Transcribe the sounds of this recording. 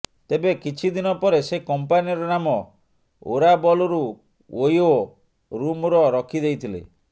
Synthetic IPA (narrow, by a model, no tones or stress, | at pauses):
t̪ebekit͡ʃʰid̪inɔpɔɾesekɔmpaniɔɾɔnamɔ | o̰ɾabɔlɔɾu | ojo | ɾumɾɔɾɔkʰid̪ejt̪ʰilḛ